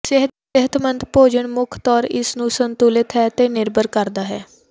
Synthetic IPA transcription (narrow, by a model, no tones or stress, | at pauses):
sɪɦ | ɪɦət̪ʰmənd̪poːd͡ʒəɳmʊkʰt̪ɔːɾɪ̰snũːsənt̪uːlɪt̪ɦɛːt̪eːnɪɾbəɾkəɾd̪aːɦɛː